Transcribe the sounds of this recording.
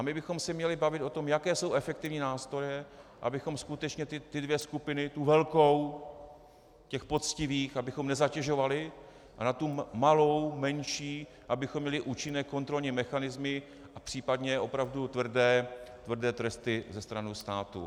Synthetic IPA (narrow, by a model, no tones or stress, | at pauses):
ʔamɪbɪxo̞msɛmɲɛlɪbavɪt̪ʔo̞t̪o̞mjakɛːso̞wʔɛfɛk̚t̪ɪvɲiːnaːst̪ɾo̞jɛʔa̰bɪxo̞mskut̪ɛt͡ʃɲɛt̪ɪt̪ɪdvjɛskupɪnɪt̪uvɛlko̞w | cɛxpo̞t͡scɪviːxabɪxo̞mnɛzacɛʒo̞valɪ | anat̪umalo̞wmɛnʃiː | ʔabɪxomːɲɛlɪʔuːt͡ʃɪnɛːko̞nt̪ɾo̞lɲimɛxanɪzmɪ | ʔapr̥iːpad̪ɲɛʔo̞pɾavdut̪vr̩dɛːt̪vr̩dɛːt̪ɾɛst̪ɪzɛst̪ɾanust̪aːt̪ṵ